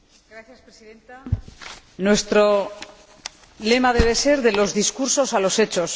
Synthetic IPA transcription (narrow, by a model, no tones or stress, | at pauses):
ɡɾaθjaspɾesiðent̪a | nwe̞st̪ɾo | le̞maðe̞β̞e̞se̞ɾðe̞lo̞zðiskuɾso̞salo̞se̞t͡ʃo̞s